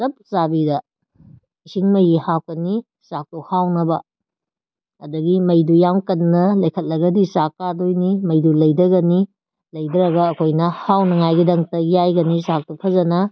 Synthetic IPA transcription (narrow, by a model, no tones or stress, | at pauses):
sɐp̚sabidɐ | isiŋmɐjihak̚ɐni | sak̚tuhawnɐbɐ | ɐdɐɡimɐjdujamkɐnnɐlɐjkʰɐt̚lɐɡɐdisakːadojnimɐjdulɐjdɐɡɐni | lɐjdɐɾɐɡɐːkʰojnɐhawnɐŋajɡidɐŋtɐjajɡɐnisak̚tupʰɐzɐnɐ